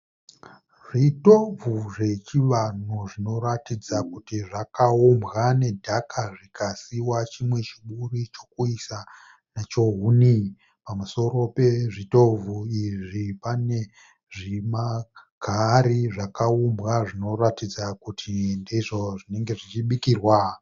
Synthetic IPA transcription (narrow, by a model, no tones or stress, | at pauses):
ʐito̞vʱuʐe̞t͡ʃiʋan̤uʐino̞ɾatid͡zakutiʐakaumbɣane̞dʱakʰaʐikasiwat͡ʃimwe̞t͡ʃiɓurit͡ʃo̞kuisa | nat͡ʃo̞ɦuni | pamuso̞ɾo̞pe̞ʐito̞vʱuiʐipane̞ | ʐimaɡ̥ʱaɾiʐakaumbɣaʐino̞ɾatid͡zakutʰindiʐo̞ʐineŋɡe̞ʐit͡ʃiɓikirwa